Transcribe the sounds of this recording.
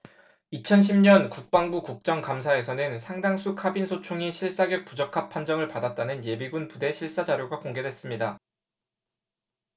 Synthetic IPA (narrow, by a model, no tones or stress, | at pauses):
it͡ɕʰʌnɕʰimɲʌnkuk̚p͈aŋbukuk̚t͡ɕ͈ʌŋkamsʰae̞sʰʌnɯnsʰaŋdaŋsʰukʰabinsʰot͡ɕʰoŋiɕʰiɭs͈aɡjʌk̚p͈ud͡ʑʌkʰapʰand͡ʑʌŋɯɭpadat̚t͈anɯnje̞biɡunpude̞ɕʰiɭs͈ad͡ʑaɾjoɡakoŋɡe̞dwe̞s͈ɯmɲida